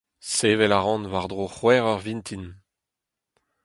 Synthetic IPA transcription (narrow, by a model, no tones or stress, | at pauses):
seːvɛlaʁɑ̃nvaʁd̪ʁoχwɛːʁœʁvint̪ʰin